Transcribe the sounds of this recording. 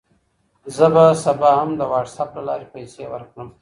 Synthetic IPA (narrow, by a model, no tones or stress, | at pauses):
zəbasabɑhamd̪əwɑʈsaplalɑ̰ɾepajsewəɾkɽəm